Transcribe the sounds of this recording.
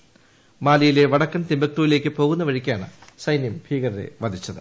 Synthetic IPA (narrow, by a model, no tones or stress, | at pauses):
maːlijile̞ʋɐɽɐkːɐmt̪imbɐk̚t̪uːjile̞ːk̬ʲːɨpo̞ːɣunːɐʋɐɻikʲːaːɳɨ̰sɐjnjɐmbʱiːɣɐɾɐɾḛʋɐd̪ʱit͡ɕːɐðɨ